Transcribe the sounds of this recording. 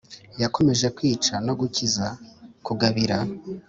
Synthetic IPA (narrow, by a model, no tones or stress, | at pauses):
jako̞me̞ʒe̞kwiːt͡ʃano̞ɡucizakuɡaβiɾa